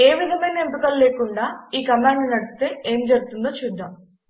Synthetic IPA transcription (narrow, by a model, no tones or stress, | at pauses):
e̞ːʋid̪ʱɐmɐjnɐempikɐlle̞ːkuɳɖaːiːkɐmaːɳɖnɐɽust̪e̞ːeːmd͡ʒɐɾuɡut̪und̪oːt͡ʃuːd̪ːaːm